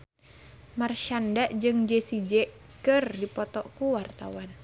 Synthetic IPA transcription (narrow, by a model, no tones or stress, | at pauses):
marʃandaʔd͡ʒɨŋd͡ʒɛsid͡ʒɛ | kɨrdipɔt̪ɔkuwart̪a̰wan